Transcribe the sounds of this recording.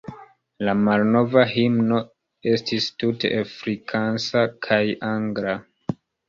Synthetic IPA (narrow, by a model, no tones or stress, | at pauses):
lamalno̞vaɦimno̞ | e̞stistutḛafɾikʰansakʰajaŋɡɾa